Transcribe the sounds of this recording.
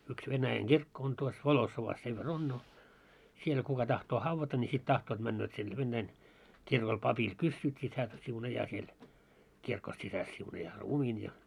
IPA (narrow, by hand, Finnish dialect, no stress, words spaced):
yks ʋenæjæŋ ɡ̊irkːo on tuos ʋolosːoʋɑs seʋ ʋer on no siel kukɑ tɑhtoː hɑʋːɑtɑ nʲi sit tɑhtoːt mænːøːt sinːe ʋenːæin kirkol pɑpil kysːyːt sit hæː siunɑjɑː siel kirko sisæs siunɑjɑː ruːmiːn jɑ